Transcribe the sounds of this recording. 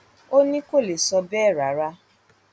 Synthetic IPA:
o˦nĩ˦ko˦˨le˨sɔ˧bɛː˦˨ɾa˨ɾa˦

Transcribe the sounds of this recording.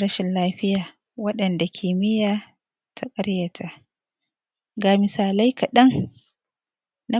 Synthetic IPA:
ɾɐ˦ʃɪ˨nlaː˦ɸɪ˦jaː˨ | wɐ˦ɗɐ˨nda˨kʲʰiː˨mɪ˦jaː˨ | tʰa˦kʼɐ˦ɾja˨tʰa˦˨ʔ | ɡaː˨mɪ˨saː˨la˦jka˨ɗɐ˦ŋ | na˦

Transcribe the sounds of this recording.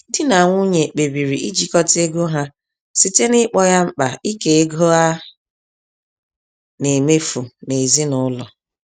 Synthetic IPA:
dɪ˦na˨ŋʷʊ˦ɲe˨k͡pe˨bi˨ɾi˨ʔi˦d͡ʒi˨kɔ˦te˦ɡo˦ɦa˦ | si˦te˦nɪ˦k͡pɔ˦ja˦ŋ͡m̩˦k͡pa˨i˦ke˨e˦ɡo˦a˦ | ne˨me˦fu˨ne˨zi˦nʊ˦lɔ̰˨

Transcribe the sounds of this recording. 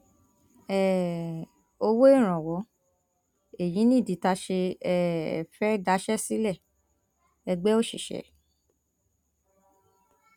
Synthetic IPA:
ɛ˨ | o˧wo˦i˦˨ɾ̃ɔ̃˨wɔ˨˦ | e˦˨jĩ˨˦nĩ˦˨di˨˦ta˧ʃe˧ɛ˦˨ɛ̰˨fɛ˦da˨˦ʃɛ˦si˦lɛ˦˨ | ɛ˧ɡ͡bɛ˦o˦˨ʃḭ˨ʃɛ̰˨˦

